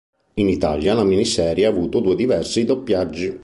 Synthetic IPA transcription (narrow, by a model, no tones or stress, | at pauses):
init̪a̰ljalaminisɛːɾjaːvuːt̪od̪uːed̪ivɛrsid̪opːjad͡ʒːi